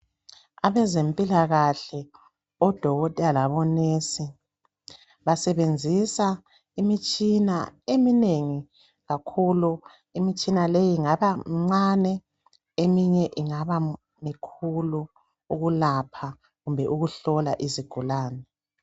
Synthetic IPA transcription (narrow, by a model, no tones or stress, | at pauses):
aβɛzempʼilaɣaɬɛ | ɔd̥ʱɔɣɔtʼalaβɔnesi | βasɛβend͡zʱisa | imit͡ʃʼina̰emineŋi | ɣakʰulu | imit͡ʃʼinalejiŋaβamŋ͡ǀanɛ | emiɲɛʔiŋaβa | mikʰulu | uɣulapʰa | ɣumbʱɛʔuɣuɬɔlaʔiziɡ̥ʱulaːnɛ